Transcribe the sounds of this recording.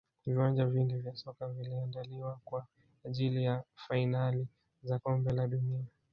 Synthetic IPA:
viwand͡ʒavindivjasɔkaviliandaliwakwa | ʄilijafainali | zakɔmbɛlaɗunia

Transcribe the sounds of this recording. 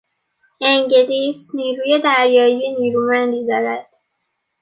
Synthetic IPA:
eŋɟeliːsniːɾuːjed̪æɾjɒːjijeniːɾumænd̪iːd̪ɒːɾæd̪̥

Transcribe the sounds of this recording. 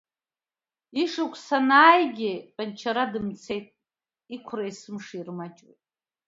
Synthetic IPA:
iʂukʷʰsanaːjɡʲipʼant͡ʃʰaɾadɨmt͡sʰe̞jtʼ | ikʷʰraisɨmʂirmat͡ʃʼwḛjtʼ

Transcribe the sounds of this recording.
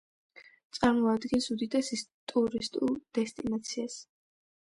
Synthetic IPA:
t̪sʼaɾmɔad̪ɡɛnsud̪id̪asit̪ʼuɾist̪ʼulˠd̪̥ɛst̪ʼinat̪sʰias

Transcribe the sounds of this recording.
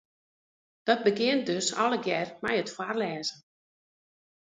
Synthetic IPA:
d̥ɔd̚bəɡɪənt̚døsɔləɡjɛrmɛjətfwarlɛːzə

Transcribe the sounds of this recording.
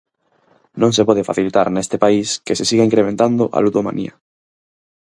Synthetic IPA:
nõŋsepɔð̞efa̰θilit̪aɾnest̪epaiskesesiɣaiŋkɾemẽnt̪and̪ʊʔa̰luðoma̰nʔḭa̰

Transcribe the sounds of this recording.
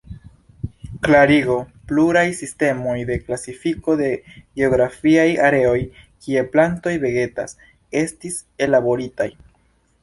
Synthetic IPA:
klaɾiɡo̞pluɾajsiste̞mo̞jde̞klasifiko̞de̞ɡeo̞ɡɾafiajaɾe̞o̞jkie̞planto̞jbe̞ɡe̞ta̰s | e̞stise̞labo̞ɾitaj

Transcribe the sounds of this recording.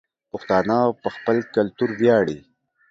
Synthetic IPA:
pʊxt̪ɑːnapəxpəlkalt̪uɾbjɑːɽi

